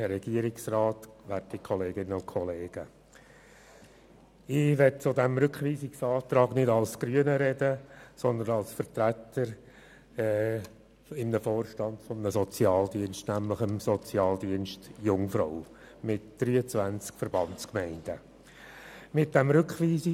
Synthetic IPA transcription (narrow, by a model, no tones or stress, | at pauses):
ɛɾɛɡ̥iəɾɪksrɑːtʋærtikʰχɔleːɡɪnːəʊkʰɔleːɡ̥ə | ɪʋɛt̚t͡sʊd̪ɛmɾʏkχʋiːsɪksɑːt̪ɾɑːɡnɪdɑlsɡ̥ɾyənəɾɛd̥əsɔnd̪ənɑlsfəɾtɾæt̪ːəɾ | ɛ | ɪmnəfoːrʃtɑnd̥fɔmnəsɔt͡sjɑːld̪iənʃtnæmləχəmsɔt͡sjɑːld̪iənʃtjʊŋfɾo̰ʊ | mɪtd̥ɾyːət͡svænt͡skfəɾb̥ɑnt͡skmɛɪnd̥ə | mɪt̚d̥æmɾʏkχʋiːs